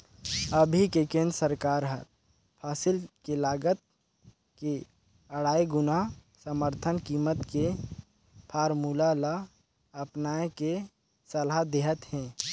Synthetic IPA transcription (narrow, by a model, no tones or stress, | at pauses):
əbʱikekẽːnd̪ɾəsəɾkaːɾɦəɾ | pʰaːsɪlkelaːɡət̪̚ | ke | əɽaːiɡʊna | səməɾt̪ʰənkiːmət̪ke | pʰaːɾmuːlala | ɐpnaːeke | səlad̪eːɦət̪hɛ̃ː